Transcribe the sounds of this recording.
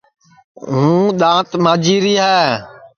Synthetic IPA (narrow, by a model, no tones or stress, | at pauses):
ɦũːɗ̪ãːt̪mãːd͡ʒiːɾiːɦɛː